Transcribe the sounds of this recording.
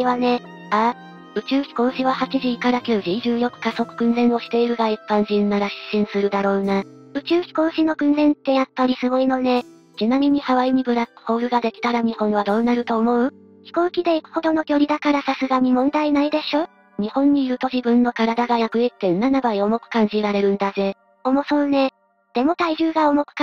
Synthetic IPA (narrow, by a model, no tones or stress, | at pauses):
iβane̞ | a | ɯ̟t͡ɕɨːçʲi̥ko̞ːɕiβahat͡ɕiʑiːkaɾakʲɨːʑiʑɨːjo̞kɯ̟̥kaso̞kɯ̟̥kɯ̟̃nzẽ̞ɰ̃o̞ɕi̥t̪e̞iɾɯ̟ɡaipːãɲ̟ʑĩnːaɾaɕɕĩɰ̃sɨɾɯ̟d̪aɾo̞ːnaɯ̟t͡ɕɨːçʲi̥ko̞ːɕino̞kɯ̟̃nzẽ̞nt̪ːe̞japːaɾʲisɨɡo̞ino̞ne̞ | t͡ɕinamʲiɲ̟ihaβaiɲ̟ibɯ̟ɾakɯ̟̥ho̞ːɾɯ̟ɡad̪e̞kʲi̥t̪aɾaɲ̟ihõ̞ɰ̃βad̪o̞ːnaɾɯ̟t̪o̞ːmo̞ɯ̟ | çʲi̥ko̞ːkʲid̪e̞ikɯ̟̥ho̞d̪o̞no̞kʲo̞ɾʲid̪akaɾasasɨɡaɲ̟imõ̞nd̪ainaid̪e̞ɕo̞ː | ɲ̟ihõ̞ɲ̟ːiːɾɯ̟t̪o̞ʑibɯ̟̃nːo̞kaɾad̪aɡajakɯ̟et̪ːe̞nːanabaio̞mo̞kɯ̟̥kãɲ̟d͡ʑiɾaɾe̞ɾɯ̟̃nd̪aze̞ | o̞mo̞so̞ɯne̞ | d̪̥e̞mo̞t̪aiʑɨːɡaomo̞kɯ̟̥k